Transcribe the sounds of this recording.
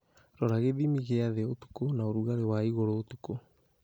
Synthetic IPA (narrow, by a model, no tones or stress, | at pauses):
ɾɔɾaɣeðimiɣeaðeotu̥konaoɾuɣaɾewaiɣoɾoːtuko